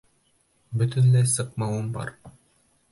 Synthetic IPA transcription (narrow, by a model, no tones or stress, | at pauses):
bɵt̪ɘnlejsɤqmɑwunbɑ̰ɾ